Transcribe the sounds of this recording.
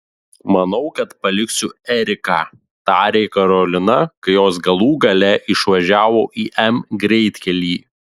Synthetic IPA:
mɐnɒʊkɐt̪pɐlʲɪksʲʊɛɾʲɪkɑː | t̪ɑːɾʲeɪkɐɾɔlʲɪnɐkɐɪjoːs̬ɡɐlˠuːɡɐlʲɛʔɪʃʋɐʒʲæːʋoːʔiːʔɛmɡɾʲɛɪt̪ʲkʲɛlʲiː

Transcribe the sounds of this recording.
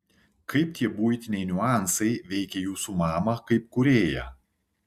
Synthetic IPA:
kʰɐɪpt̪ʲiɛbuːjt̪ʲɪnʲɛɪnʲʊɑˑnsɐɪʋʲɛɪkʲɛjuːsumɑːmɐkɐɪpkʊɾʲeːjɛ̰

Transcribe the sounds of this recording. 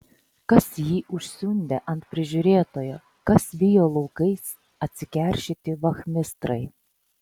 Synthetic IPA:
kɐsjiːʔʊʃʲsʲʊnʲd̪ʲeʔɐnʲt̪̚pʲɾʲɪʒʲʊɾʲeːt̪oːjoː | kɐsʋʲɪjoːlˠɒʊkɐɪs | ɐt̪ʲsʲɪkʲɛˑɾʲʃʲɪt̪ʲɪʋɐxʲmʲɪst̪ɾɐɪ

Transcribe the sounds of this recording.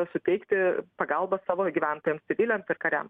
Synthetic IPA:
sʊt̪ʲɛɪkt̪ʲɪpɐɡɐlˠbɐsɑːʋoːɡʲiːʋʲæˑnt̪oːjɛmsʲsʲɪʋʲɪlʲɛmsɪɾkɐɾʲæ̰m

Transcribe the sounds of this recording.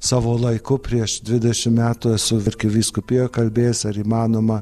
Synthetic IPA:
sɑːʋoːlˠɐɪkʊpʲɾʲiɛʃd̪ʲʋʲɪd̪ʲɛʃʲɪmmʲæːt̪uɛsʊʋʲɪɾʲkʲɪʋʲiːskʊpʲeːjokɐlʲbʲeːjsɐɾiːmɑːnoːmɐ

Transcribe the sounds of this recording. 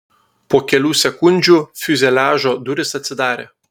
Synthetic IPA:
pokʲelusekunʲd͡ʒufyzelaːʒod̪uɾɨsɐt͡s̪ɨd̪aːɾʲɛ

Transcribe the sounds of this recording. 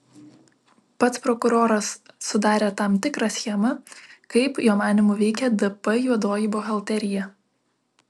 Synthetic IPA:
pɐt̪spɾɔkʊɾoːɾɐsːʊd̪ɑːɾʲeːt̪ɑˑmt̪ʲɪkɾɑsʲxʲiɛmɐkɐɪpjoːmɑːnʲɪmuːʋʲɛɪkʲɛd̪ɨpɐjuɔd̪oːjɪboɣɐlˠʲt̪ʲɛɾʲɪjɛ

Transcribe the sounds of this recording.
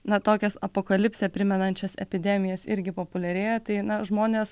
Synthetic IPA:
nɐt̪oːkʲɛsɐpoːkɐlʲɪpʲsʲɛpʲɾʲɪmʲɛnɐnʲt͡ʃʲɛsɛ̰pʲɪd̪ʲɛmʲɪjɛsɪɾʲɡʲɪpoːpʊlʲɛɾʲeːjt̪ɐɪnɐʒmoːnʲeːs

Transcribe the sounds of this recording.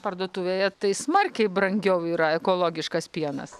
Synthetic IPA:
pɐrd̪uɔt̪uːʋʲejɛt̪ɐɪsmɐrʲkʲɛɪbɾɐŋʲɡʲɛʊiːɾɐɛkoːlˠoːɡʲɪʃkɐspʲiɛnɐ̰s

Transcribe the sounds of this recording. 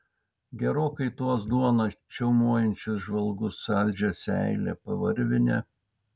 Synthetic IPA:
ɡʲɛɾoːkɐɪt̪uɔs̬d̪uɔnɐt͡ʃʲɛʊmuɔjɛnʲt͡ʃʲʊsʒʋɐlˠɡʊsɐlʲd͡ʒʲɛsʲæ̰ɪlʲɛ̰pɐʋɐɾʲʋʲɪnʲɛ

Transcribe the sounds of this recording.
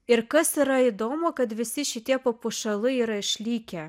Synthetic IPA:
ɪɾkɐsiɾɐid̪oːmokɐt̪ʋʲɪsʲɪʃʲɪt̪ʲiɛpɐpuʃɐlˠɨiːɾɐɪʃʲlʲiːkʲɛ

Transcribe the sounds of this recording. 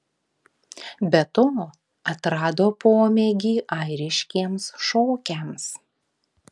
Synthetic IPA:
bʲɛt̪oː | ɐt̪ɾɑːd̪oːpoːmʲɛɡʲiːʔɐɪɾʲɪʃʲkʲiɛmsʃoːkʲɛms

